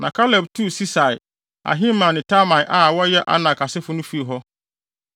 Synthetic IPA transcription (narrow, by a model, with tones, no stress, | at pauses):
nã˨kʰa˦lɛ˨b̚tʰu˦˨si˦sa˨ɪ˨ | a̰˨ɦĩ˦mã˨nɪ̃˨tʰa˦mã˨ʔa˨wɔ˦jɛ˦ʔa̰˦nã˨kʰa˨sɪ˦fʊ˦nʊ̃˦fi˦e˨ɦɔ˦